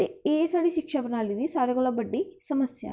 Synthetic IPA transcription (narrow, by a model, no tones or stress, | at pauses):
eeːsaːɽiʃikʂɐpɐnaːlid̪isaːɾɐɡɔɭɐbɐɖːisɐmɐsjɐ̰